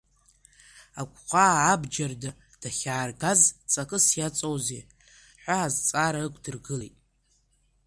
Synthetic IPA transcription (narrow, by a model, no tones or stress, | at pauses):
akʷʰʼqʷʰʼaːbd͡ʒarda | d̥aχʲaːrɡazt͡sʼakʼɨsjat͡sʼowzḛ | ħʷaːzt͡sʼaɾaɨkʷʰʼdɨrɡɨlejtʼ